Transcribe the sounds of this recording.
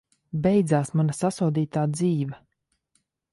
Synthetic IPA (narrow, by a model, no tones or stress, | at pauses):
bɛjd̪zaːsmanasasuːd̪iːt̪aːd̪ziːva